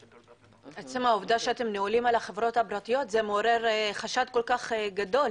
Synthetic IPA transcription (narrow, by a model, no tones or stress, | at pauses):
et͡semaovd̪aʃeat̪e̞mneolimalaχevʁo̞t̪habɾat̪ijo̞t̪zemeoɾe̞ʁχaʃad̪̚ko̞lkaχɡad̪o̞l